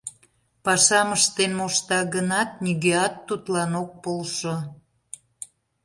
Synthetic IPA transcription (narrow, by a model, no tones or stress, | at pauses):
pɑʃɑməʃt̪enmoʃt̪ɑɣənɑt̪̚niɣeɑt̪ːut̪lɑnok̚polʃo